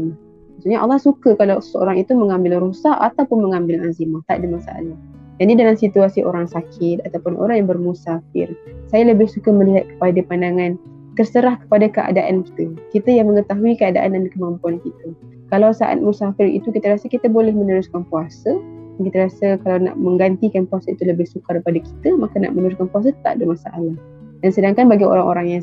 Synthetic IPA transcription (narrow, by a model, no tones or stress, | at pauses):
masuɲaʔɑ̰lːɑhsukəkalawsəo̰ɾaŋit̪uməŋambɪlɾusaat̪awpʊnməŋambɪlazimaht̪aʔdimasa̰ʔa̰la | janidalamsit̪uasiʔo̰ɾaŋsakʰɪt̪̚at̪awpʊnʔo̰ɾaŋjaŋbərmusafɪ̰rsajaləbɪhsukəməliɦat̪̚kə̥padapandaŋãn | t̪ərsəɾahkə̥padakəʔa̰daʔanki̥t̪əkit̪əjaŋməŋət̪aɦuikəada̰ʔandandikəmampuankit̪ə | kalawsaʔa̰t̪̚musafɪɾḭt̪ukit̪əɾasəkit̪əbolɛhmənəɾʊskanpuasədankit̪əɾasəkalawna̰ʔmə̃ŋɡant̪ikanpuasait̪uləbɪhsukarəpadaki̥t̪əmakana̰ʔmənəɾʊskanpuas̬at̪a̰ʔdomasaʔalah | dansədaŋkanbaɡio̰ɾaŋʔo̰ɾaŋjaŋ